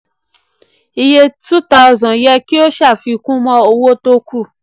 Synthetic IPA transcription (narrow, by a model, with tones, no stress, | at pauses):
i˧je˦tu˦ta˧zɔ̃˨jɛ˦ki˦o˦ʃa˦˨fi˧kũ˦mɔ̃˧o˧wo˦to˧ku˦˨